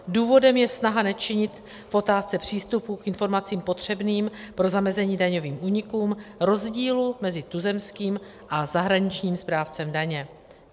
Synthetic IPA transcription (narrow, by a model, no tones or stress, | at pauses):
duːvo̞dɛmjɛsnaɦanɛt͡ʃɪɲɪt̪ | fʔo̞t̪aːst͡sɛpr̝̥iːst̪upukʔɪnfo̞ɾmat͡siːmpo̞t̪r̝̥ɛbniːmpɾo̞zamɛzɛɲiːdaɲo̞viːmʔuːɲɪkuːmɾo̞zɟiːlumɛzɪt̪uzɛmskiːm | ʔazaɦɾaɲɪt͡ʃɲiːmspɾaːft͡sɛmdaɲɛ